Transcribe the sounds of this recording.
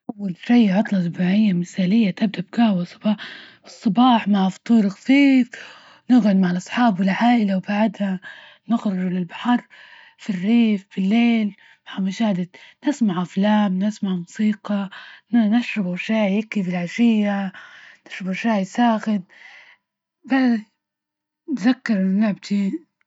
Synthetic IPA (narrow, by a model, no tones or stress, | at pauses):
ʔawːalʃijʕɑt̪ˤlɑsbaʕɪjːamɪθaːlɪjːat̪ab̚d̪aʔb̚kahwasˤɑbɑːħ | ɨsˤːɑbɑːħmaʕft̪ˤuːɾxafiːf | nɪɣʊd̪maʕɪlʔɑsˤħɑːbwɪlʕaːʔɪlawbaʕd̪ha | nɪɣɾʊɾlɪlbḁħɑɾˤ | firːiːfbɪlːeːl | maʕamaʃaːd̪ɪd̪nɪsmaʕʔaflaːmnɪsmaʕmʊsiːqɑnanaʃɾabaʃaːjɪkːibɪlʕaʃɪjːanɪ̥ʃɾɪbaʃaːjsaːxɪn | ba | nzakːɪɾˤʔɪnːnɪʕb̚t̪i